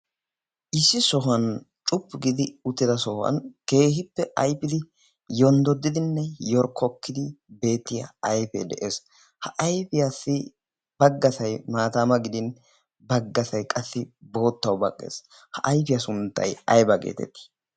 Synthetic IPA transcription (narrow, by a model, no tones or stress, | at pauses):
ʔɪsːɪsɔɦɐn | t͡ʃʼʊpːɪɡɪd̪ɪʊt̪ːɪd̪ɐsɔhɐ̰nke̞ːhɪpːɛʔɐjpɪd̪ɪ | jɔnd̪ɔd̪ːɪd̪ɪnːɛjɔɾkʰːɔkːɪd̪ɪbe̞ːt̪ːɪjɐ̰ɐjfḛd̪ɛʔe̞ːs | hɐʔɐjfɪjasːɪ | bɐɡːɐsɐjmaːt̪aːmɐɡɪd̪ɪn | bɐɡːɐsɐjkʼɐsːɪbo̞ːt̪ːɐwbɐkʼːḛːs | hɐʔɐjpɪjɐsʊnt̪ːɐ̰jɐjbɐɡḛːt̪ɛ̰t̪ːi̥